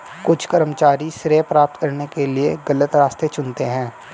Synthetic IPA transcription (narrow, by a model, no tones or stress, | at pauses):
kʊt͡ʃʰkɐɾəmət͡ʃaːɾisɾeːpɾaːp̚t̪kɐɾnekelieɡɐlət̪ɾaːst̪et͡ʃʊnt̪eɦɛ̃ː